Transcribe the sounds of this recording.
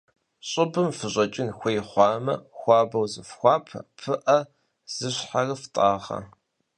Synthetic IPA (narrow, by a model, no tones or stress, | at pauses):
ɕʼɪbɨmfɨɕʼɐt͡ʃʼɪnxʷejχʷɑːmɐ̰xʷɑːbɐwzɨfxʷɑːpʰɐ̰pʰɨʔɐ | z̥ɨɕħarɨftʼaːʁɐ̰